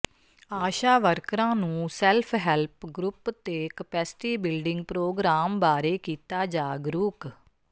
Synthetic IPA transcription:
aːʃaːʋəɾkɾãːnũːsɛːlpʰɦɛlpɡɾʊpt̪eːkəpɛːsɪ̥ʈiːbɪlɖɪ̃ŋɡ̚pɾoːɡɾaːmbaːɾeːkiːt̪aːd͡ʒaːɡɾuːk

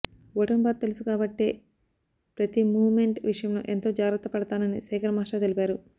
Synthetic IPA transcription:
ʋoʈɐmpaːt̪̚t̪ːe̞lusukaːbɐʈːeː | pɾɐt̪imuːʋme̞ɳʈʋiʂɐjɐmlo̰ːʔe̞nt̪o̞ːd͡ʒaːɡɾɐt̪ːɐpɐɽɐt̪aːnɐnisɛːkɐɾɐmaːʂat̪e̞lipaːɾu

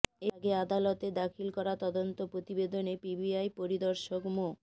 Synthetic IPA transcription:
eaɡead̪alot̪ed̪akʰilkɔɾat̪ɔd̪ont̪opɾot̪ibed̪onepibiajpoɾid̪ɔɾʃokmo

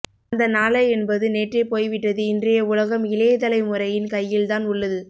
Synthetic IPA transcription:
ɐnd̪ɐnaːlɐɛnbɐðɯneːʈrepoːjʋɪʈːɐðɯɪndrɐjɐʊlɐɣɐmɪleːðɐlɐɪmʊɾɐjɪnkɐjːɪlt̪aːnʊɭːɐðɯ

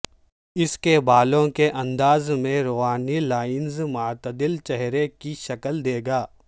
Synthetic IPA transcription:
ɪskebaːlõkeʔɐ̃nd̪aːzmẽɾoːɦaːnilaːɪnzmaːɾt̪d̪ɪlt͡ʃɛɦɾekiʃɐkəld̪eːɡaː

